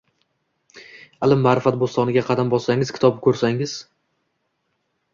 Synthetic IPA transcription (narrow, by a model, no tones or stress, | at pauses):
alˠɪmːaːɾɪfat̪̚bost̪ɒnɪɡʲaqʰɑd̪ambɒsaŋɪzkʲʰɪ̥t̪ʰɒbɪkʰɵɾsaŋɪz̥